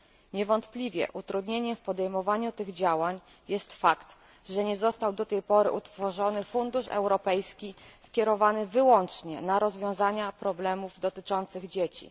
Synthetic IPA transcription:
ɲɛvɔnt̪plʲivʲjɛ̰ʔut̪ɾud̪ɲeɲɛfpɔd̪ɛjmɔvaɲut̪ɘɣd͡ʑawaɲ | jɛst̪fakt̪ | ʐɛɲɛzɔst̪awd̪ɔt̪ɛjpɔɾɘ̰ʔut̪fɔʐɔnɘfund̪uʂɛ̰wɾɔpɛjskʲiskʲjɛɾɔvanɘvɘwɔnt͡ʂɲɛ̰naɾɔzvʲjɔ̃w̃zaɲapɾɔblɛmuvd̪ɔt̪ɘt͡ʂɔnt̪sɘɣd͡ʑet͡ɕḭ

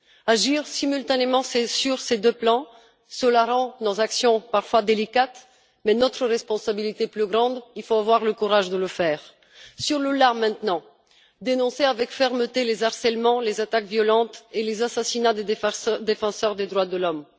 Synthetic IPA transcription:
aʒiʁsimylt̪anemɑ̃sesyʁsed̪øplɑ̃ | səlaʁɑ̃d̪ɑ̃zaksjɔ̃paʁfwad̪elikat̪ | mɛnɔt̪χəʁɛspɔ̃sabilit̪eplyɡʁɑ̃d̪ilfoavwaʁləkuʁaʒd̪ələfɛːʁ | syʁləlamɛ̃t̪nɑ̃ | d̪enɔ̃seavɛkfɛʁmət̪elezaʁsɛlmɑ̃lezat̪akvjɔlɑ̃t̪elezasasinad̪ed̪efɑ̃sœʁd̪ed̪ʁwad̪əlɔm

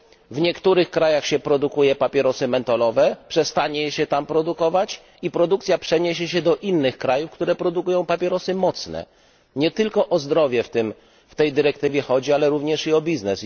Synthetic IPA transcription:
vɲɛkt̪uɾɘxkɾajaxɕɛpɾɔd̪ukujɛpapʲjɛɾɔsɘmɛnt̪ɔlɔvɛpʂɛst̪aɲɛɕɛt̪ampɾɔd̪ukɔvat͡ɕ | ipɾɔd̪ukt̪sʲjapʂɛɲeɕɛɕɛd̪ɔʔinːɘxkɾajufkt̪uɾɛpɾɔd̪ukujɔ̃w̃papʲjɛɾɔsɘmɔt̪snɛ̰ | ɲɛt̪ɘlkɔʔɔzd̪ɾɔvʲjɛft̪ɘm | ft̪ɛjd̪ɘɾɛkt̪ɘvʲjɛxɔd͡ʑialɛɾuvɲɛʂiɔbʲiznɛs

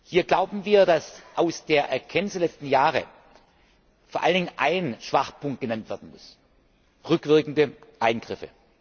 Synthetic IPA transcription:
hiːɐɡlaʊbm̩viːɐdasʔaʊsd̥eːɐʔɛɐkʰɛnɪsdeɐlɛt͡stn̩jaːʁə̰ | foːɐʔaləndɪŋənʔaɪnʃv̥aχpʰʊŋkt̚ɡ̥ənantv̥ɛɐdn̩mʊs | ʁʏkv̥ɪɐkn̩dəʔaɪnɡ̥ʁɪfə

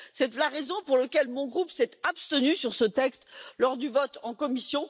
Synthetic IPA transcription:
sɛt̪laʁezɔ̃puʁləkʲɛlmɔ̃ɡʁupsɛt̪apst̪ənysyʁsət̪ɛkst̪lɔʁd̪yvɔt̪ɑ̃kɔmisjɔ̃

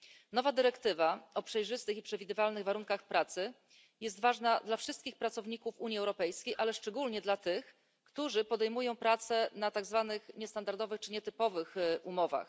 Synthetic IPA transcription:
nɔvad̪ɘɾɛkt̪ɘvaɔpʂɛjʐɘst̪ɘxipʂɛvʲid̪ɘvalnɘɣvaɾuŋkaxpɾat̪sɘ | jɛst̪vaʐnad̪lafʂɘst̪kʲixpɾat̪sɔvɲikufuɲiɛwɾɔpɛjskʲejʔalɛʂt͡ʂɛɡulɲɛd̪lat̪ɘx | kt̪uʐɘpɔd̪ɛjmujɔ̃w̃pɾat̪sɛnat̪aɡzvanɘxɲɛst̪and̪aɾd̪ɔvɘxt͡ʂɘɲɛt̪ɘpɔvɘxumɔva̰x

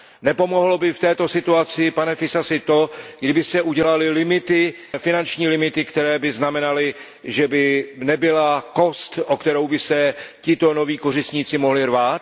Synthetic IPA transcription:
nɛpo̞mo̞ɦlobɪft̪ɛːt̪o̞sɪt̪uat͡sɪpanɛfɪsasɪt̪o̞ɡdɪbɪsɛʔuɟɛlalɪlɪmɪt̪ɪ | fɪnant͡ʃɲiːlɪmɪt̪ɪkt̪ɛɾɛːbɪznamɛnalɪ | ʒɛbɪnɛbɪlako̞st̪ʔokt̪ɛɾo̞wbɪsɛcɪt̪o̞no̞viːko̞rɪsɲiːt͡sɪmo̞ɦlɪrvaːt̪̚

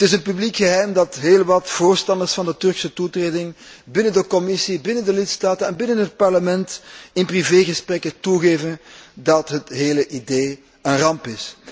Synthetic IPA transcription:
ətɪsənpyblikxəɦɛjmdɑtɦeːlˠʋɑtv̥oːrstɑndərsfɑndətɵrksətutreːdɪŋ | bɪnəndəkɔmɪsibɪnəndəlɪtstaːtənɛnbɪnənɦət̚pɑrləmɛntɪnpriveːɣəsprɛkətuɣeːvəndɑtɦətɦeːləʔideː | ənrɑmpɪs

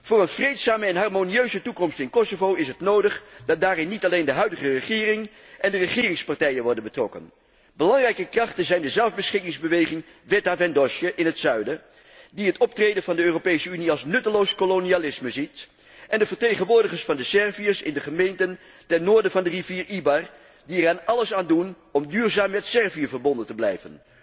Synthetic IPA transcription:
v̥ʊːrənv̥rejtsaːməɛnɦɑrmoniøɥzətukɔmstɪnkɔsovowɪsɦətnowdəχdɑt̚daːrɪnːitɑlejndəɦœɥdəχərəχɪːrɪŋ | ʔɛndərəχɪːrɪŋspɑɹtɛjənʋɔɹdənbətrɔkə̰n | bəlɑŋrɛjkəkrɑχtənzɛjndəzɛlˠvbəsχɪkɪŋzbəʋejχɪŋ | vɛtavɛndɔʃjəʔɪnɦətsœɥdə | diɦətɔp̚trejdənvɑndəøːropejsəyniɑlˠsnɵtəlowskolonialɪsməzit | ʔɛndəvəɹtejχənʋʊːɹdəχəɹsfɑndəsɛɹviəsɪ̰ndəχəmejntən | tɛnnːoːɹdəvɑndəriviːɹʔibɑr | diəraːnɑləsaːndun | ɔmdyːɹzaːmːɛtsɛɹvijəvəɹbɔndəntəblɛjvə̰n

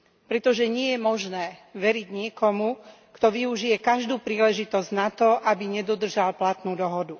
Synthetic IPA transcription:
pɾɛt̪ɔʒɛɲɪɛjɛmɔʒnɛːʋɛɾiɟɲɪɛkɔmu | kt̪ɔʋiuʒijɛkaʒd̪uːpɾiːlɛʒit̪ɔzɟnat̪ɔʔabiɲɛd̪ɔd̪r̩ʒalplat̪nuːd̪ɔɦɔd̪u

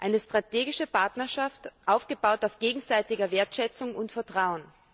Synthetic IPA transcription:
ʔaɪnəstʁ̥atʰeːɡɪʃəpaɐtnɐʃaftʔaʊfɡ̥əbaʊtaʊfɡ̥eːɡŋ̩zaɪtɪɡɐveːɐtʃɛt͡sʊŋʊntfɛɐtʁ̥aʊən

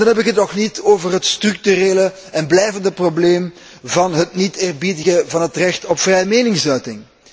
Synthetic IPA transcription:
dɑnɦɛbpɪkɦətnɔxnitoːvərɦətstrʏk̚tyɾeːlə | ɛnblɛjvəndəprobleːm | vɑnɦətniteːrbidəɣəvɑnətrɛxtɔpfrɛjəmeːnɪŋsœɥtɪŋ

